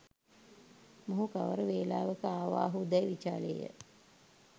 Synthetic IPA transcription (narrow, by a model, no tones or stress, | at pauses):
moɦukaʋəɾəʋeːlaːʋəkəaːʋa̰ːɦud̪æjʋit͡ʃaːleːjə̰